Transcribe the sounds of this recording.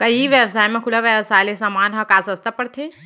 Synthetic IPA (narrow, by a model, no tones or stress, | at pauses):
kɐiʋjəʋsaːjmẽkʰʊlaʋjəʋsaːjlesamaːnɦɐkaːsəst̪apəɽt̪ʰe